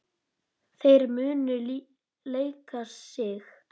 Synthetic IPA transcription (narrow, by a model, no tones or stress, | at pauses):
θejɾmʏːnʏ | leːjkaɾ̥sɪx